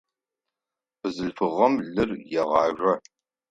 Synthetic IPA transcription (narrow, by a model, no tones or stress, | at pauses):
ɨzɨɬfɨʁɐmɮɨrjɛʁɑːʒʷɐ